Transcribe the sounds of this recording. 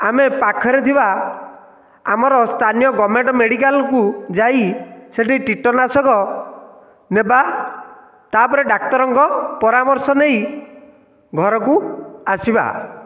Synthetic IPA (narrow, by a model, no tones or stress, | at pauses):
amepakʰɔɾet̪ʰiba | a̰mɔɾɔst̪ʰanijɔɡɔmeɳʈɔmeɽikalkud͡ʒaiseʈiʈiʈɔnasɔkɔ | neba | t̪apɔɾeɖakt̪ɔɾɔŋkɔpɔɾamɔɾsɔnej | ɡʱɔɾɔkuasiba̰